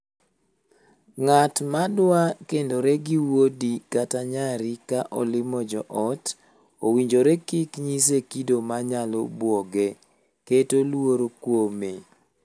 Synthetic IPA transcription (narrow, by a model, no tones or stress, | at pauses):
ŋatmadwakendoɾeɡɪwodikataɲaɾikaʔɔlɪmɔd͡ʒɔʔɔt | owiɲd͡ʒoɾekɪkɲis̬ekidomaɲalo̰bwɔɡe | ketolwoɾokwome